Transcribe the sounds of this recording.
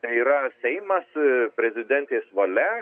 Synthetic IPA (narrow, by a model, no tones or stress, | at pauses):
t̪ɐɪiːɾɐsʲɛɪmɐspʲɾʲɛzʲɪd̪ʲɛnʲt̪ʲeːsʋɐlʲɛ